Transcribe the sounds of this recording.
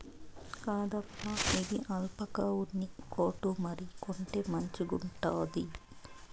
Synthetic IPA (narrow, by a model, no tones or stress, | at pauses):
kaːd̪ɐpːɐid̪iʔɐlpɐkaːwunːikoːʈumɐɾikoɳʈeːmɐɲt͡ʃiɡuɳʈaːd̪i